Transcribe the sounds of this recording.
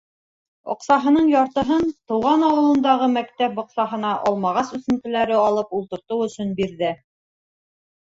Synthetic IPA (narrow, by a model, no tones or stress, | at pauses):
ŏ̰qsɑɦɤ̆nɤɴjɑɾt̪ɤ̆ɦɤnt̪ɤ̆wʁɑnɑwɤ̆lˠɤ̆nd̪ɑʁɤmækt̪æpŏqsɑɦɤ̆nɑʔɒlˠmɑʁɑsʉθɵ̆nt̪ɘ̆læɾɘɑlˠɤpulˠt̪ɤ̆ɾt̪ɤwɵ̆sɵnbiɾðɘ